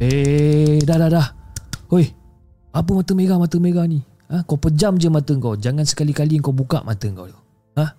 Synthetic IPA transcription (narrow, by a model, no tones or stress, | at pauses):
e | dahdahdahojh | ap̬əmat̪əmeɡamat̪əmeɣahnĩ | akawpəd͡ʒamd͡ʒəmat̪əŋkawd͡ʒaŋansə̥kalikaliŋkawbuka̰ʔma̰t̪əŋka̰wdə | ah